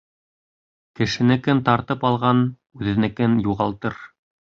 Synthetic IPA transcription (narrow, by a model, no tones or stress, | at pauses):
kɘ̆ʃɘ̆nɘ̆kɘnt̪ɑɾt̪ɤpɑlˠʁɑn | ʉðɘ̆nɘ̆kɘnjuʁɑlˠt̪ɤɾ